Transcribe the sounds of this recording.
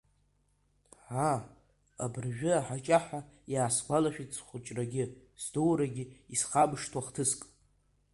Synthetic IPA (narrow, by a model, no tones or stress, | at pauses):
ʕa | a̰bɨrʒᶣʏaħat͡ʃʼaħajaːsɡʷalaʃᶣit͡sʰʼχʷʊt͡ʃʼraɡʲɪsdowɾaɡʲɪisχabʂtʰwaχtʰɨskʼ